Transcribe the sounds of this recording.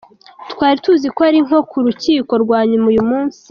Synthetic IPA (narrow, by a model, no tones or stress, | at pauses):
twaːɾituːzikoaɾiŋ̥ho̞kuɾuciːko̞ɾɡwaːɲumujumuːnsi̥